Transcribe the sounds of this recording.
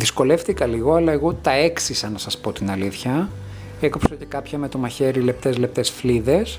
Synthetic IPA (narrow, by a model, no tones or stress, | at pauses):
ðisko̞le̞ft̪ikɐliɣoɐlɐeɣo̞t̪ɐe̞ksisɐnɐsɐspo̞t̪inɐliθçɐ | ekopsoce̞kɐpçɐme̞t̪o̞mɐçe̞ɾile̞p̚t̪e̞zle̞p̚t̪e̞sfliðe̞s